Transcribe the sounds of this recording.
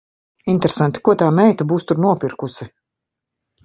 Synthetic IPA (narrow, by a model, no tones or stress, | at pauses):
int̪ɾesant̪i̥kuɔt̪aːmɛjt̪abuːst̪uɾnuɔpiɾkusi